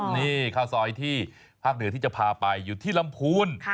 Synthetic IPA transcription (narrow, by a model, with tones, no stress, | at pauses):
niː˥˩kʰaː˧˩wsɔː˨˩˦jt̪ʰiː˥˩ | pʰaː˥˩k̚nɯ˩˦t̪i˥˩t͡ɕa˨˩pʰaː˧pa˧jːuː˨˩t̪ʰiː˥˩la˧mpʰuː˧nʰ